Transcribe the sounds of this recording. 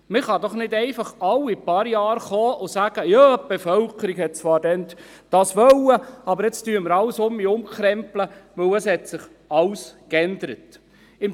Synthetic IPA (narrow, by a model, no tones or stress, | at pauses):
mɪχɑd̪ɔχnɪdɛɪfɑχɑlipɑɾjɑːɾχoːʔʊsæːɡ̥əjɑːb̥efœlkəɾiɡhɛt̚t͡sʋɑːɾdɛn | d̥ɑsʋœləɑbəɾɪt͡styːməɾɑwsʊmiʊmkɾɛmpləʋɵwəshɛtsɪχ | ɑwskɛnd̪əɾət | ɪm